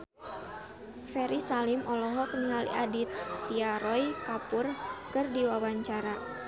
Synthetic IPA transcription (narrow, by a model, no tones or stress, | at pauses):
fɛɾisalimʔɔlɔɦɔkəniɦalḭʔadit̪ːiaɾɔjkapʊrkɨrdiwawaɲt͡ʃaɾa